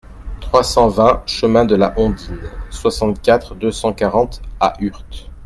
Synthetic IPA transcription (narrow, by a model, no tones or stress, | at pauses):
t̪χwasɑ̃vɛ̃ʃəmɛ̃d̪əla̰ʔɔ̃d̪inswasɑ̃t̪kʲat̪χd̪øsɑ̃kaʁɑ̃t̪a̰ʔyʁt̪